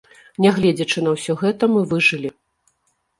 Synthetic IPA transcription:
nʲɛɣlʲɛd͡zʲɐt͡ʂɨn̪ɐwsʲɔɣɛt̪ɐmɨvɨʐɨlʲi

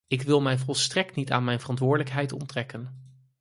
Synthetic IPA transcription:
ɪkʋɪlˠmɛjvɔlˠstrɛk̚tnita̰ːnmɛjnvərɑntʋʊːɹdələkɦɛjtɔ̰ntrɛkən

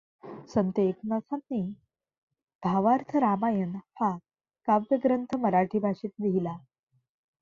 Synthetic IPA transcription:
sənt̪eːknəsanːi | bʱaʋaɾt̪ʰəɾamajənfa | kabjəɡɾənt̪ʰəməɾaʈʰiːbʱaʂiːt̪d̪iɦila

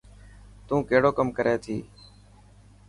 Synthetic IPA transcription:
t̪ũːkeːɽoːkəmkəɾeːt̪ʰḭː

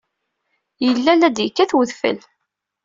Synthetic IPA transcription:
jəlːælæd̪jəkːæθwəðfə̰l

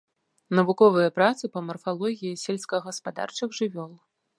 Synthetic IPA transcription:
nɐvukɔvɨjɐpɾat̪sɨpɐmɐrfalˠɔɣʲijisʲɛlʲskɐɣɐspad̪a̰rt͡ʂɨɣʐɨvʲɔlˠ

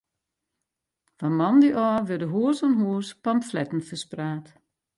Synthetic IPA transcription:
famɑndiʔɔːʋədəɦuəsɔnɦuːspamflɛtn̩fəspraːt

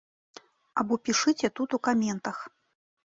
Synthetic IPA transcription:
abɔpʲiʂɨt͡sʲɛt̪ut̪ukamʲɛnt̪ɐx

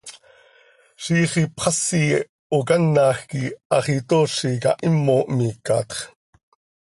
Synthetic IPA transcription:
ʃiːχipχɑsi | okɑnːɑːxkiʔɑχit̪oːʃikɑ̰ʔimːoʔmiːkɑ̰ːt̪χ

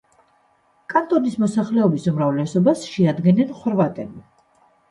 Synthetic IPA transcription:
kʼant̪ʼɔnismɔsaχlɛɔbisumɾavlɛsɔbasʃɛad̪ɡɛnɛnχwɾvat̪ʼɛbi

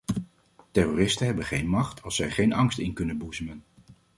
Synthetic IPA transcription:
tɛroːrɪstənɦɛbənχejnmɑχtʰɑlˠsɛjχejnɑŋstɪnkɵnənbuzəmən

